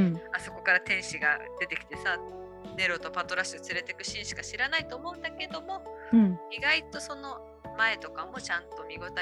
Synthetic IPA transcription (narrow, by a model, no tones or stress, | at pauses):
aso̞ko̞kaɾat̪ẽ̞ɰ̃ɕiɡa̰d̪̥e̞t̪ekʲi̥t̪esa | ne̞ɾo̞t̪o̞pat̪o̞ɾasɯt͡sɨɾe̞t̪e̞kɯ̟̥ɕĩɰ̃ɕi̥kaɕiɾanait̪o̞ːmo̞ɯ̟̃nd̪ake̞d̪o̞mo̞ | iɡait̪o̞so̞no̞ | mae̞t̪o̞kamo̞t͡ɕãnt̪o̞mʲiɡo̞t̪a